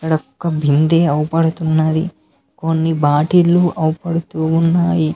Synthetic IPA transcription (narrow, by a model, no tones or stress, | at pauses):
ɐkːɐɽɐkɔkːɐbʱind̪eːɐwupɐɽut̪unːaːdḭ | konːibaːʈiluʔɐwupɐɽut̪uːnːaːji